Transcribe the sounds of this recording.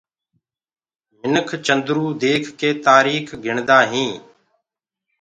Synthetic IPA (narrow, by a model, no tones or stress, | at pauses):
mɪnəkʰt͡ʃənd̪ɾuːd̪eːkʰːeːt̪aːɾiːkʰɡʱɪɳd̪aːɦĩː